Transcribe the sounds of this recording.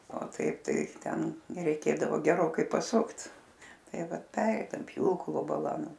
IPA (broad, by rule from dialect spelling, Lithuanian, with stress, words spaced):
oː ˈtɐɪp ˈtɐɪ ˈtʲɛn rʲɛɪˈkʲeːdɐʋoː ɡʲɛˈroːkɐɪ pɐˈsʊkt ˈtɐɪ ˈʋɐt ˈpʲæːrʲɛɪdɐm ˈpʲjuːklˠoː bɐˈlˠɐ ˈnʊ